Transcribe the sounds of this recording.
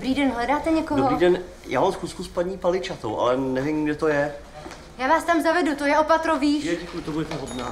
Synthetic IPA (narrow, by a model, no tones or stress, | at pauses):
bɾiːdɛnɦlɛdaːt̪ɛɲɛkoɦoɾidɛn | jʔa̰ːmamsxuːskuspaɲiːpalɪt͡ʃat̪owʔa̰lɛnɛvɪmɡdɛt̪ojɛ | jaːvaːst̪amzavɛdut̪ojɛʔopat̪ɾoviːʃɛkujt̪obuɛt̪ɛɦod̪naː